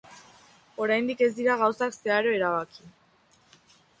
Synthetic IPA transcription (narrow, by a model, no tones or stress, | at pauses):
o̞ɾajnd̪ike̞zd̪iɾaɣawsakse̞aɾo̞eɾaβaki